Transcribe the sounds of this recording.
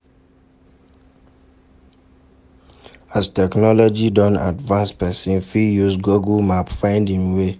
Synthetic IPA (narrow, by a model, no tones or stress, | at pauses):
astɛknɔlɔd͡ʒidɔ̃na̰dvãnspɛsĩnfijusɡuɡulmapfãɪ̃ndĩŋwe